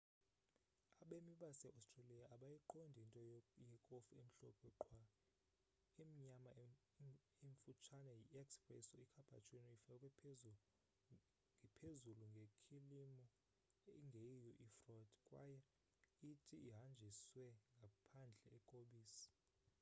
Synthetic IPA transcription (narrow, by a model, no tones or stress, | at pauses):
aɓemiɓasɛʔastʼrelijaʔːɓajiǃondʱintʼɔjɛkʼofuem̩ɬɔpʰʼɛǃʰwa | imiɲama | eɱfut͡ʃʰanajiʔɛkspʼrɛsɔikʰab̥ʱa̰t͡ʃʼwinifakʼɛ | ŋʱɛpʰezuluŋɡʱekʰilimɔ | ŋɡʱejijɔʔifrɔd̥ʱkʼwa̰jɛ | itʰʼiiɦand͡ʒʱiswɛŋɡʱapʰand͡ɮʱɛɛkʼoɓiːsi̥